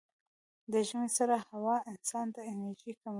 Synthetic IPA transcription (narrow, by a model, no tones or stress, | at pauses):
d̪əʒmesaɾahawɑɪnsɑnt̪aɪnəɾʒikam